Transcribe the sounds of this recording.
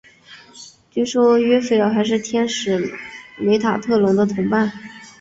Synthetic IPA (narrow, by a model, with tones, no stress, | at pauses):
t͡ɕy˥˩ʂwɔ˥ɥɛ˥fe˥˩ɪɑ˥˩ʊxa˧˥ɪʂ̬ɻ̩˥˩t̪ʰjɛ˥nʂɻ̩˨˩me˧˥ɪt̪ʰa˨˩t̪ʰɤ˥˩lʊ˧˥ŋd̪ə˧t̪ʰʊ˧˥ŋpa˥˩n